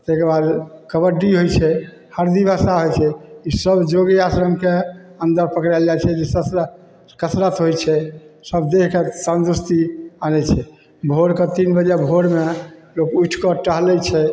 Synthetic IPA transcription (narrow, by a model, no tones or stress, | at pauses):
t̪ekəɾbad̪kəbəɖiɦojt͡ʃʰɛ | həɾd̪ibʱasaɦojt͡ʃʰɛisəbd͡ʒoɡiasɾəmkeənd̪əɾpəkɾɛld͡ʒajt͡ʃʰɛd͡ʒesə | kəsɾət̪ɦojt͡ʃʰɛsəbd̪ekʰkesand̪ust̪ianɛt͡ʃʰɛ | bʱoɾket̪inbəd͡ʒɛbʱoɾmelokuʈʰkɔʈəɦlɛt͡ʃʰɛ